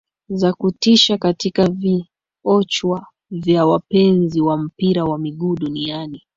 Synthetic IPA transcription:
zakutiʃakatikavi | ɔt͡ʃwa | vjawapɛnziwam̩piɾawamiɠuːɗuniani

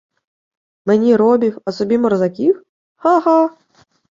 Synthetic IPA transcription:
menʲiɾɔbʲiwɐsɔbʲimɔrzakʲix | haɦa

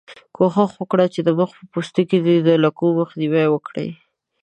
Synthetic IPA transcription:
kʰoxaxwəkɽat͡ʃed̪əməxpəpost̪oked̪id̪əlakuməxd̪iwajwəkɽə̰j

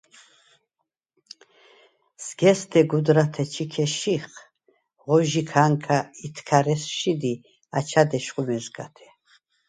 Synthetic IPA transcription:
z̥ɡɛst̪ʰɛɡud̪ɾat̪ʰɛt͡ʃʰikʰɛʃiχ | ʁɔʒikʰaŋkʰait̪ʰkʰaɾɛsʃid̪i | at͡ʃʰad̪ɛʃχʼumɛzɡa̰t̪ʰɛ̥

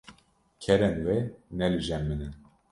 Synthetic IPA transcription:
kʰɛɾɛnvɛnɛlɨʒɛmːɨnɨn

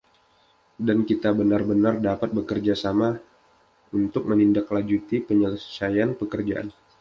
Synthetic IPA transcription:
dankit̪abənarbənardapat̪̚bəkərd͡ʒasama | unt̪ʊk̚mənindaklad͡ʒut̪ipəɲələsajanpəkərd͡ʒa̰ʔa̰n

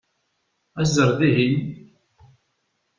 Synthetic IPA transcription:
æzəɾˤðiɦin

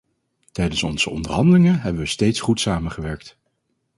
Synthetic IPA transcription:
tɛjdənsɔnz̥əɔndəɹɦɑndəlɪŋəɦɛbəʋəstejtsχutsaːməχəʋɛɹkt

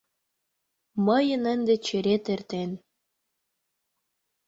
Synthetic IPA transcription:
məjənənd̪et͡ɕeɾet̪ert̪en

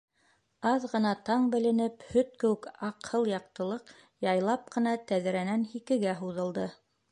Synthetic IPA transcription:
ɑðʁɤ̆nɑt̪ɑɴbɘ̆lɘ̆nɘphɵt̪̚kɘ̆wɘkɑqhɤlˠjɑq̚t̪ɤ̆lˠɤq | jɑjlˠɑp̚qɤ̆nɑt̪æðɘ̆ɾænænhikɘ̆ɡæɦuðɤ̆lˠd̪ɤ

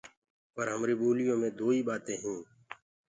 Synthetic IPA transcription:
pəɾɦəmɾiːɓuːlɪjõːmẽːd̪oːiːɓaːt̪ẽːɦĩː

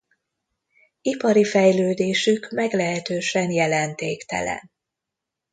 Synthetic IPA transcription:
ipɒɾifɛjløːd̪eːʃykmɛɡlɛɦɛt̪øːʃɛnjɛlɛnt̪eːkt̪ɛ̰lɛ̰n

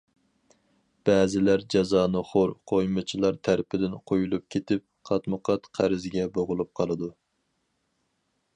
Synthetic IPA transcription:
b̥ɛːzɪlæɾd͡ʒɑzɑːnɨχoɾqʰojmɨt͡ʃʰilˠɑɾt̪ʰæɾpʰɪd̪ɪnqʰojulˠup̚kʲʰet̪ɪp̚qʰɑt̪mɨqɑt̪qʰæɾɪzɡʲɛboʁʊlˠup̚qʰɑlˠɨd̪u

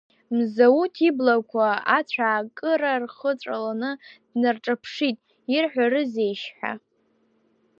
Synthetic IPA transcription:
mzawutʰiblakʷʰaat͡ɕʷʰaːkʼɨɾarχət͡ʃʷʼalanɨd̥narʈ͡ʂʼapʰʂitʼ | irħʷᶣaɾɨzejʃħʷᶣa̰

